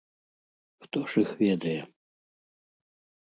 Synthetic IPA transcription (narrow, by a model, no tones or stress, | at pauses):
xt̪ɔʂixvʲɛd̪ɐjɛ